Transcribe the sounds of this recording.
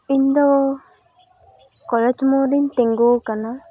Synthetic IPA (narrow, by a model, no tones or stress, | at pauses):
ind̪ɔ | kɔled͡ʒmoːɾint̪eŋɡoːkana